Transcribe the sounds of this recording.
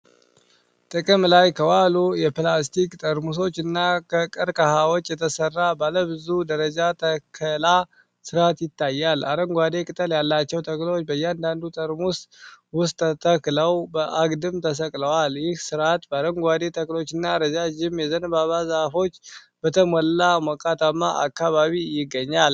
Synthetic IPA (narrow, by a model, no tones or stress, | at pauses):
t̪ʼəkʼɨmlajkʰəwalujɛplast̪ʰikt̪ʼəɾmus̬o̞t͡ʃːɨnːakʰəkʼəɾkʼahawot͡ʃːjɛt̪ʰəsərːabaləbɨzud̪əɾəd͡ʒat̪ʰəkʰəla | sɨɾat̪jɪt̪ːajːala̰ɾəŋɡʷad̪e̞kʼɨt̪ʼəljalːat͡ʃːɛwt̪ʰəklo̞t͡ʃːbəjːɛand̪and̪ut̪ʼəɾmuswʊst̪ʼt̪ʰəkləwbəʔaɡd̪ɨmt̪ʰəs̬əkʼləwaljɪhsɨɾat̪bəaɾəŋɡʷad̪e̞t̪ʰəklo̞t͡ʃːɨnːaɾəd͡ʒad͡ʒɪmjɛzənβaβazafo̞t͡ʃː | b̥ət̪ʰəmɔlːamɔkʼat̪ʼamaʔa̰kːaβaβijɪɡːəɲːal